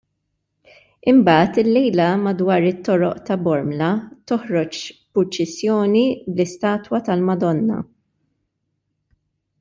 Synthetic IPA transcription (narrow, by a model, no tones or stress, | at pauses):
ɪmbɐːt̪ɪlːɛjlɐmɐd̪wɐːɾɪt̪ːɔɾɔʔt̪ɐbɔɾmlɐt̪ɔhɾɔt͡ʃpʊɾt͡ʃɛsjɔːniblɪst̪ɐːt̪wɐt̪ɐlmɐd̪ɔnːɐ̰